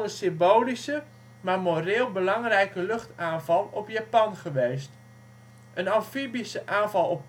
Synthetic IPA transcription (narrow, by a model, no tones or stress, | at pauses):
əsɪmbowlisə | mamorɪːlˠbəlɑŋrɛjkəlɵχtaːnvɑlˠɔpjaːpɑnχəʋejst | ʔənɑnfibisəʔaːnvɑlˠɔp̚